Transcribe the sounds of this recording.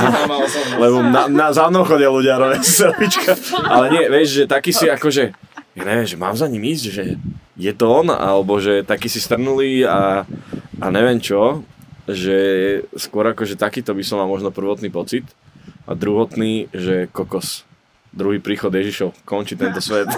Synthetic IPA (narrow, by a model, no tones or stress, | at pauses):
alɛbɔnanazamnɔʊxɔɟɪaluɟɪaɾɔʋassɛlʋit͡ʃkʰaʔalɛɲɪɛʋɛʒʒɛt̪akiːsiakɔʒɛjaɲɛʋɪɛmʒɛma̰ːmzaɲimiscʒɛjɛt̪ɔɔna̰lɛbɔʒɛt̪akiːsist̪r̩nuliːa | ʔa̰ɲɛʋɪɛmt͡ʃɔ | ʒɛjɛskwʊɔɾakɔʒɛt̪akiːt̪ɔbisɔmːalmɔʒnɔpr̩ʋɔt̪niːpɔt͡sit̪ | ʔa̰d̪ɾuɦɔt̪niːʒɛkɔkɔs | d̪ɾuɦiːpɾiːxɔd̪jɛʒiʃɔʊkɔnt͡ʃit̪ɛnt̪ɔsʋɛt̪